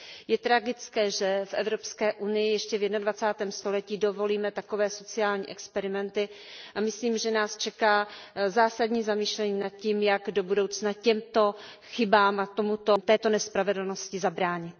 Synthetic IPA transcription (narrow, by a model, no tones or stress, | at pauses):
jɛt̪ɾaɡɪt͡skɛːʒɛfʔɛ̰vɾopskɛːʔunɪjɪjɛʃcɛvjɛdnadvat͡saːt̪ɛːmst̪o̞lɛciːdo̞vo̞liːmɛt̪ako̞vɛːso̞t͡sɪaːlɲḭːʔɛkspɛɾɪmɛnt̪ɪ | ʔamɪsliːmʒɛnaːst͡ʃɛkaːzaːsadɲiːzamiːʃlɛɲiːnat̪̚ciːmjaɡdo̞budowt͡snacɛmt̪o̞ | xɪbaːmat̪omut̪ot̪ɛːt̪o̞nɛspɾavɛdl̩noscɪzabɾaːɲɪt̪̚